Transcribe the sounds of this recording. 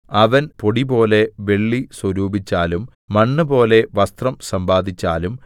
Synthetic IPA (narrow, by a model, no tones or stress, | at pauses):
ɐʋɐnpo̞ɽibo̞ːle̞ʋe̞ɭːiswɐɾuːbit͡ɕːaːlumː | ɐɳːɨbo̞ːle̞ʋɐst̪rɐmsɐmbaːd̪ʱit͡ɕːaːlum